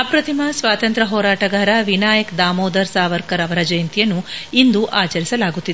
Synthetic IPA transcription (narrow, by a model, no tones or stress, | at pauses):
ɐpɾɐt̪ʰimɐsʋaːt̪ɐnt̪ɾɐɦɔːɾaːʈɐɡaːɾɐʋinaːjɐkd̪aːmoːd̪ɐɾsaːʋɐɾkɐɾɐʋɐɾɐd͡ʒɐjɐnt̪ijɐnːuind̪uʔaːt͡ʃɐɾisɐlaːɡut̪ːid̪e